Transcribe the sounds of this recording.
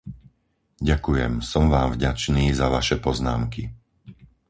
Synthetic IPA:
ɟakujɛ̰msɔmʋaːmvɟat͡ʃniːzaʋaʃɛpɔzna̰ːmki

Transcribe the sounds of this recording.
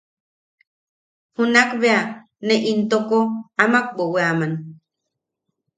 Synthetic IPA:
hunakβea | neʔint̪okoamak̚boweaman

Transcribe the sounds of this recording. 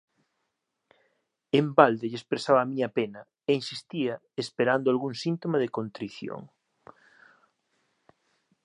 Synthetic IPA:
embald̪eʎespɾesaβaːmiɲɐpenɐ | einsist̪ia | espeɾand̪oalɣuŋsint̪omaðekont̪ɾiθjo̰ŋ

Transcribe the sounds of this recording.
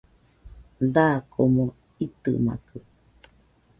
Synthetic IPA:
d̪akʰomõ | it̪ɨ̰ma̰kɨ

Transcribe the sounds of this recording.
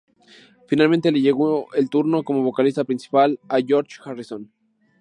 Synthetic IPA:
finalment̪e̞le̞ʝe̞ɣoelt̪uɾno̞ko̞mo̞βo̞kalist̪apɾinsi̥palaʝo̞ɾt͡ʃxarison

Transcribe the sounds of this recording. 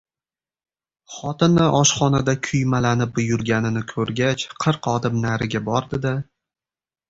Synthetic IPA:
χɒt̪ɪnːɪʔɒʃχɒnad̪akʲʰʊjmalanɪp̚bʊjʊɾɡʲanɪnɪkʰɵɾɡʲat͡ʃqʰɨɾqɒd̪ɪmnaɾɪɡʲabɒɾd̪ɪd̪ɪ

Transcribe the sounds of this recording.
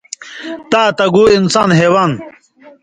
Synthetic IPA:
t̪aːt̪ɐɡuːinsaːnɦeːwaːn

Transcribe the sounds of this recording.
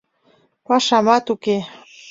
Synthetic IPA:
pɑʃɑmɑt̪uke

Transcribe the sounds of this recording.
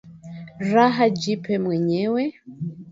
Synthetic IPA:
raɦad͡ʒipɛmwɛɲɛwɛ

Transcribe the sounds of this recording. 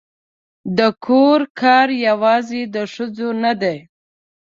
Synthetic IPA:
d̪əkʰoɾkʰɑɾjawɑzed̪əʂəd͡zonad̪aj

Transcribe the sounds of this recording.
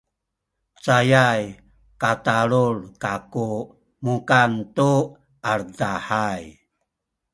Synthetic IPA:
t͡sajaj | kataɾuɭkaku | mukantu | aɾdaħaj

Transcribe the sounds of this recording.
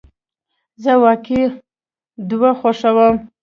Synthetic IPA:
zəwɑki | d̪waxoʂawəm

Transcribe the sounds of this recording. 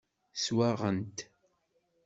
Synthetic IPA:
swaʁənt̪

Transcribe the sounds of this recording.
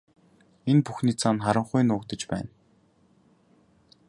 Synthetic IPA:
enpuxniːt͡sʰanχaɾə̆ɴχʊjnʊːkt̪ə̆t͡ɕpæ̰ːn

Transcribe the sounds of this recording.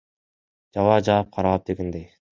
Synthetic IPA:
d͡ʒɑvɑːd͡ʒɑːp̚qʰɑɾɑlˠɑp̚d̪e̞ɡend̪ej

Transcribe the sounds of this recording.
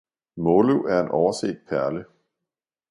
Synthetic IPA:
mɔluʔæɐe̝nʔɒʊɐsḛːd̥̚pʰæɐlə

